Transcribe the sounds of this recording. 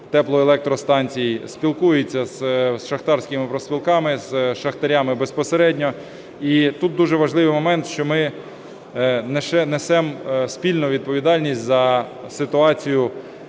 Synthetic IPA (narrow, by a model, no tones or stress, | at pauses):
t̪ɛplˠɔelˠɛk̚t̪ɾɔst̪ɑnʲt͡sʲijispʲilˠkujet͡sʲːɐzʃɐxt̪ɑrsʲkʲɪmɪpɾɔsʲpʲilˠkɑmɪzʃɐxt̪ɐɾʲɑmɪbespɔseɾɛdʲnʲɔ | it̪ut̪̚d̪uʒɛʋɐʒlˠɪʋɪjmɔmɛnt̪ʃt͡ʃɔmɪ | nɛʃɛnɛsɛmsʲpʲilʲnʊʋʲid̪̚pɔʋʲid̪ɑlʲnʲisʲtʲzɐ | sɪt̪ʊɑt͡sʲijʊ